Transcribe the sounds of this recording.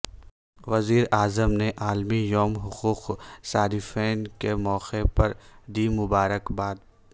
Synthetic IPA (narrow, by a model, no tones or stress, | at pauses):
ʋɐziːɾaːzəmneʔaːlmijɔːmɦʊquːqsaːd̪ifɛːnkemɔːqepɐɾd̪imʊbaːɾəkbaːd̪̚